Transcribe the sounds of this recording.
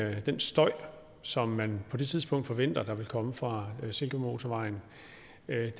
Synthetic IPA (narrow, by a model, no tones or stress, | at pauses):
d̥ensd̥ɒ̽ɪ̰ | sɒ̽mːænpʰɒ̽d̥e̝t͡sʰið̞ˠsb̥ɔ̽ŋ̰d̥fɒ̽ʋen̰d̥ɐd̥ɑ̈ʋe̝lkʰɒ̽məfʁɑ̈se̝lɡ̥əmo̝ːt͡sʰoʋɑ̈ɪn | d̥